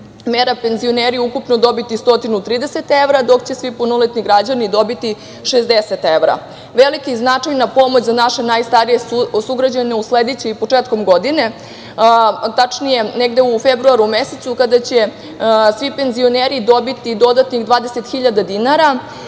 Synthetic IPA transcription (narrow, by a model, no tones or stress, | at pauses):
meɾape̞nzio̞neɾijukupnod̪o̞bit̪ist̪o̞t̪inut̪ɾiːd̪ese̞t̪e̞ʋɾad̪o̞kt͡ɕe̞sʋipunolet̪niɡɾad͡ʑanid̪o̞bit̪i | ʃezd̪eset̪eʋɾa̰ | ʋelikiznat͡ʂajnapo̞mo̞t͡ɕzanaʃenajst̪aɾijesuɡɾad͡ʑaneusled̪et͡ɕeipo̞t͡ʂet̪ko̞mɡo̞d̪ine̞ | t̪at͡ʂnije̞neɡd̪eufebɾuaɾumeset̪sukad̪at͡ɕe̞ | sʋipe̞nzio̞neɾid̪o̞bit̪id̪o̞d̪at̪niɣd̪ʋaːd̪eset̪xiʎad̪ad̪inaɾa